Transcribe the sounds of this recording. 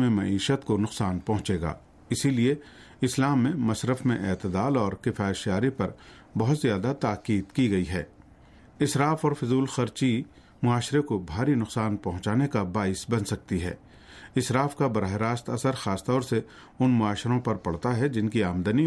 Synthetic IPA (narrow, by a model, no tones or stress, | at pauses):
mẽmɐ̰iːʃət̪konʊqsaːnpɐɦʊ̃t͡ʃeːɡa̰ː | ɪsilie | ɪslaːmːẽmɐsɾəfmẽʔɛːt̪ɪd̪aːlɔːɾkɪfaːɪʃjaːɾipɐɾ | bɐɦʊt̪zjaːd̪at̪aːqiːd̪kiɡɐiɦɛ̰ː | ɪsɾaːfɔːɾfɪzuːlxɐɾt͡ʃi | mʊaːʃɾekobʱaːɾinʊqsaːnpɐɦʊ̃t͡ʃaːnekabaːɪsbɐnsɐk̚t̪iɦɛ̰ː | ɪsɾaːfkabɐɾaːɦeɾaːst̪ɐsəɾxaːst̪ɔːɾse | ʊnmʊaːʃɾõpɐɾpɐɽt̪aɦɛd͡ʒɪnkiaːmd̪əni